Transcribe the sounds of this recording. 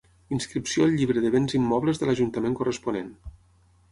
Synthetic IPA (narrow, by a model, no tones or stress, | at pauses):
inskɾipsioəlˠʎːiβɾəðəβenzimːɔβləzðəlɐʒunt̪əmeŋkurəspunen